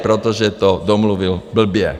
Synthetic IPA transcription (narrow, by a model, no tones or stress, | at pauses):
pɾɔt̪ɔʒɛt̪ɔd̪ɔmluʋilbl̩bɪɛ